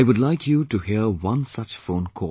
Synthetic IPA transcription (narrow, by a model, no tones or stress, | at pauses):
jwʊdlaɪkʰjutuhiəwʌ̃nsat͡ʃfõnkʰɔ̰